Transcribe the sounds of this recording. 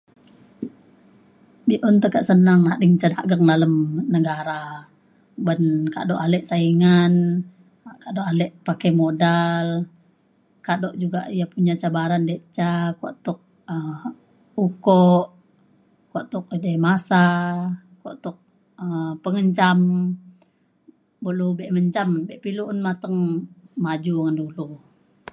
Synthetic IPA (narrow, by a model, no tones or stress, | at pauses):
biʔɔnt̪əkaʔsənəŋnadiŋt͡ʃadaʔɡəŋdaləmnəɡaɾa | bənka̰dɔʔalɛʔsaiŋan | kadɔʔalɛʔpakɛmodal | kadɔʔd͡ʒuɡaʔijapuɲat͡ʃabaɾandeʔt͡ʃakɔ̰ʔt̪ʊk̚ | ə | ukɔʔ | kɔʔt̪ʊk̚damasa | kɔ̰ʔt̪ʊk̚ | əpəŋəɲt͡ʃam | bəlubɛʔməɲt͡ʃambɛʔpiluʔnmat̪əŋmad͡ʒuŋandulu